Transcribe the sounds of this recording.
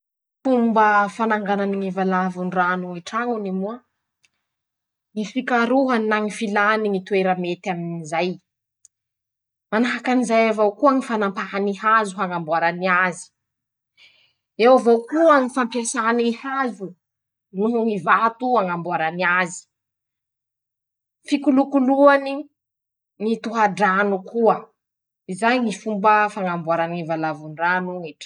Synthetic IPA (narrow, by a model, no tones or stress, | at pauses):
fumbəfanaŋɡananiŋivalavunranuiʈ͡ʂaŋunimuə | ŋifikaɾuɦannaŋifilaniŋit̪ueɾamet̪aminizaj | manaɦakanizajavowkuaŋifanampaɦaniɦazuɦaŋambuaɾaniazi̥ | ewavokuəŋifampjasaanihazu | nuɦuŋivat̪uaŋambwaɾaniazi̥ | fikulukuluani | ŋit̪uɦaɖ͡ʐanukuə | izajŋifumbəfaŋambuaɾanivalavuɳɖ͡ʐanuŋiʈ͡ʂ